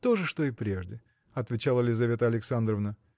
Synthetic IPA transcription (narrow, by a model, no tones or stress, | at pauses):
t̪o̞ʐɨʂt̪o̞ɪpɾʲeʐdʲɪ | ɐt̪vʲɪt͡ɕalˠəlʲɪzɐvʲe̞t̪əɐlʲɪksand̪ɾəvnə